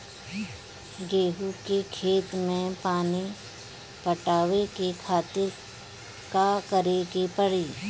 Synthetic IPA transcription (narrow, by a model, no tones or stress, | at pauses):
ɡeːɦukekʰeːt̪mẽpaːni | pəʈaːʋekekʰaːt̪ɪɾ | kakəɾekepəɽiː